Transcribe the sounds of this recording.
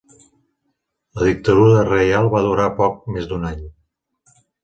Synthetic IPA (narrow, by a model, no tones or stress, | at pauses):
ləðik̚t̪əðuɾərejalˠβaðuɾapɔk̚mezd̪unaɲ